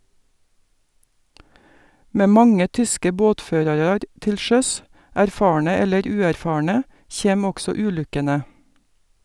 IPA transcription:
ˈmeː ˈmɑŋə ˈtʏskə ˈboːtˌføːɾɑɾɑɾ ˈtɪl ˈʃœs æɾˈfɑːɳə ˈɛləɾ ˈʉːæɾˌfɑːɳə ˈçeːm ˈɔɡsɔ ˈʉːˌlʉkənə

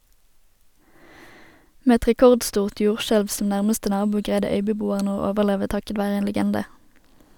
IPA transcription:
ˈmeː ˈɛt ʁɛˈkɔʁdˌstuːʁt ˈjuːʁˌʃɛlʋ sm̩ ˈnæʁməstə ˈnɑːbuː ˈɡʁæɪdə ˈœʏbəˌbuːəʁnə ˈoː ˈoːʋəʁˌleːʋə ˈtɑkət ˈʋæːʁə ˈeːn ləˈɡɛndə

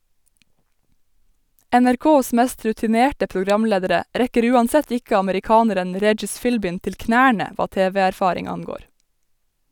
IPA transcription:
ænæɾˈkoːs ˈmæst ɾʉtɪˈneːʈə pʊˈɡɾɑmˌleːdəɾə ˈɾɛkəɾ ˈʉːˌɑnˌsɛt ˈɪk ɑməɾɪˈkɑːnəɾən ˈɾɛd͡ʒɪs ˈfɪlbɪn ˈtɪl ˈknæːɳə ˈʋɑː ˈteːʋɛæɾˌfɑːɾɪŋ ˈɑŋˌɡoːɾ

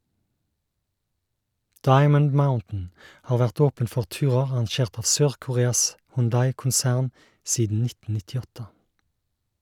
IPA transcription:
ˈdɑɪmən ˈmaʊntn̩ ˈhɑːʁ ˈʋæʁt ˈoːpən ˈfɔʁ ˈtʉːʁəʁ ɑʁɑnˈʃeːʁt ˈɑːʋ ˈsøːʁkʊˌʁeːɑs hʊnˈdɑɪkʊnˌsæʁn ˈsiːdn̩ ˈnɪtn̩ nɪtɪˈɔtə

